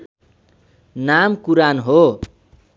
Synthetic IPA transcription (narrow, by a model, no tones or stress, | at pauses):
namkuɾanɦo